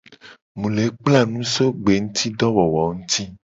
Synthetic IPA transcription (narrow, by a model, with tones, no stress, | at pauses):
mũ˨le˨˦k͡pla˦˨nũ˦so˦ɡ͡be˨ŋũ˦t̪ʰi˦ɖɔ˦wɔ˨wɔ˨ŋũ˦t̪ʰi˦